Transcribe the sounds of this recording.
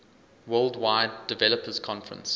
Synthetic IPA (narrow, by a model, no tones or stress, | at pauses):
wɜːlˠdwaɪdːɪvɛləpʰəz̥kʰɔ̃nfəɹə̰̃ns